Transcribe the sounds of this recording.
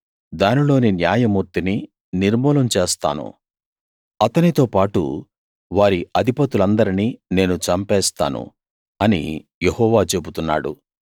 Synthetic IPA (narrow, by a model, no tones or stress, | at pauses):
d̪aːnilo̞ːninjaːjɐmuːɾt̪ini | niɾmɔːlɐmt͡ʃeːst̪a̰ːnṵ | ɐt̪ɐnit̪o̞ːpaːʈṵ | ʋaːɾiʔɐd̪ʱipɐt̪ulɐnd̪ɐɾiniːne̞ːnut͡ʃɐmpɛːst̪a̰ːnṵ | ɐnḭjehɔːʋaːt͡ʃe̞but̪unːa̰ːɽṵ